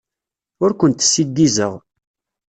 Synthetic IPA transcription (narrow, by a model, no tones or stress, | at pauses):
ʊɾkʷənt̪sːid̪ːizəʁ